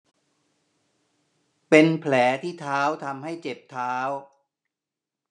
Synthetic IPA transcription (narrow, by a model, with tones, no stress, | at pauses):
pe˧npʰlɛː˩˦t̪ʰiː˥˩t̪ʰaː˦˥wt̪ʰa˧mha˥˩jt͡ɕe˨˩p̚t̪ʰːaː˦˥w